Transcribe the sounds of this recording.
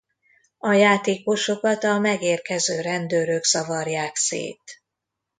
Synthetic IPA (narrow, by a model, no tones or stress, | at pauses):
ɒjaːt̪eːko̞ʃo̞kɒt̪ɒmɛɡeːrkɛzøːɾɛnd̪øːɾøɡz̥ɒvɒrjaːksḛːt̪